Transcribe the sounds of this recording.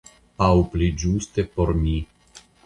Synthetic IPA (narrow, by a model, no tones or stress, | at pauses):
awplid͡ʒustepo̞ɾmi